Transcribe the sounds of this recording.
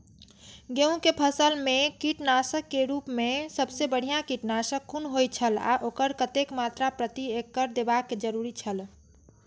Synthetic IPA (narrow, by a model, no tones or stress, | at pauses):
ɡeũkepʰəsəlmekiʈnasəkːeɾupmesəbsebəɽ̤ijakiʈnasəkːunɦojt͡ʃʰəla̰ʔokəɾkət̪ekmat̪ɾapɾət̪iekːəɾd̪ebakːed͡ʒəɾuɾit͡ʃʰəl